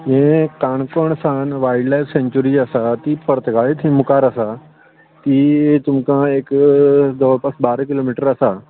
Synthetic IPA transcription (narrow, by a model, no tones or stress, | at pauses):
ẽkaːɳ̃koːɽ̃sãnʋaːɪɖlaːɪʋsẽːɲt͡ɕuɾiɐsat̪iːpɐɾət̪ɡʱaːɭet̪ʰĩmʊkaːɾɐsa | t̪iːt̪ʊmkãekd̪ɐʋpɐsbaːɾkɪloːmiːʈəɾɐsa